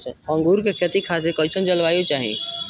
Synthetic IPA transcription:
ə̃ŋɡuɾkekʰjət̪ikʰaːs̬ekɔɪt͡ʃʰənt͡ʃəlʋaːjot͡ʃaːɦḭ̃

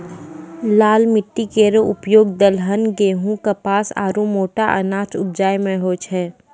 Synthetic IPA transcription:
laːlmɪʈːikeːɾoʔʊpjoːɡ̚d̪əlɦənɡeːɦũkapaːsa̰ːɾũmoːʈaʔə̰naːt͡ʃʊ̰p̚d͡ʒaːjmẽɦoːt͡ʃʰɛː

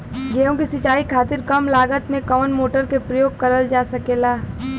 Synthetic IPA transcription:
ɡeõkisɪt͡ʃaːikʰaːt̪ɪɾkɐmlaːɡət̪mẽkəʋənmoːʈəɾkepɾəjoːɡ̚kɐɾəld͡ʒaːsɐkeːlaː

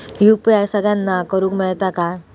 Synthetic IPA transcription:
jupjajsəɡɭanːakəɾũːkmɛɭt̪aka

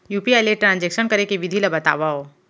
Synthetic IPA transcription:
juːpiɛleʈɾãːnd͡ʒekʃənkɐɾekeʋɪd̪ʱilɐbɐt̪a̰ːʋao

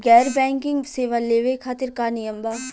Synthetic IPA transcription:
ɡɛːɾbɛ̃ːŋkɪ̃ŋɡseːʋaleːʋekʰaːt̪ɪɾkanɪjəmbaː

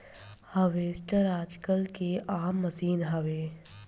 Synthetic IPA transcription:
hɐʋeːsʈəɾaːd͡ʒkəlkeʔaːmːɐsiːnɦɐʋeː

